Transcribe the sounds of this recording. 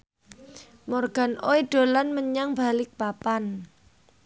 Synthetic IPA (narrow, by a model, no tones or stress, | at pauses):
mɔrɡ̥a̤nʔoiɖ̥o̤lanməɲaŋb̥alɪk̚papan